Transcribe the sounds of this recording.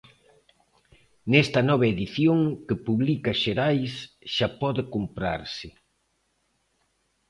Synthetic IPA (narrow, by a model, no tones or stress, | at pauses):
nɛst̪ɐnɔβ̞ɐeðiθjoŋkɪpuβlikɐʃeɾajsʃapɔðɪkumpɾa̰ɾsɪ